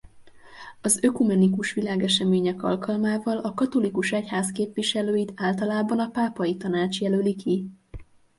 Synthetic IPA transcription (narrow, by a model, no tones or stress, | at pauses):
ɒzøkumɛnikuʃʋilaːɡɛʃɛmeːɲɛkɒ̰lkɒlmaːvɒlɒkɒt̪o̞likuʃɛchaːzkeːpʋiʃɛløːjit̪aːlt̪ɒlaːbɒnɒpaːpɒjit̪ɒnaːt͡ʃjɛlølikʰi